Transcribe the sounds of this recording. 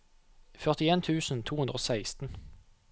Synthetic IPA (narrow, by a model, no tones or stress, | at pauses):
fœʁt̪ɪeːnt̪ʰʉːsn̩t̪ʰuːʉnd̪ʁəoːsæɪst̪n̩